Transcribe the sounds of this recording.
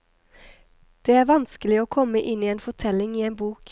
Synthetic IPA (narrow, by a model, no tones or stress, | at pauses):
d̪̥eːæːɾʋɑnskəlɪoːkʰɔməʔɪniːeːnfɔʈʰɛlɪŋiːeːnbuːk